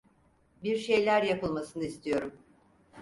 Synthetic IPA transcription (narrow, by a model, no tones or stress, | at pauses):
biɾʃe̞jlʲæɾjapɯlˠmasɯnɯist̪ʰijo̞ɾum